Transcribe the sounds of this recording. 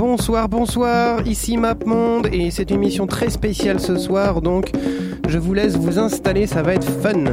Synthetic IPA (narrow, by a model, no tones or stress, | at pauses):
bɔ̃swaʁbɔ̃swaʁisimapmɔ̃d̪esɛt̪ynmisjɔ̃t̪χɛspesjalsəswaʁd̪ɔ̃k | ʒəvulɛsvuzɛ̃st̪alesavaɛt̪χfən